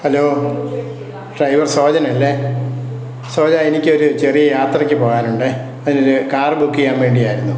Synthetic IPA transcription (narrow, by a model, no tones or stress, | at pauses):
hɐloː | ɖrɐjʋɐrso̞ːd͡ʑɐnɐlːe | soːd͡ʑaenikʲːɨo̞ɾut͡ɕerijɐjaːt̪rɐkʲːɨpo̞ːɣaːnuɳɖɨ | ɐðino̞ɾukaːrɨbukːijaːmʋe̞ːɳɖijaːjiɾunːu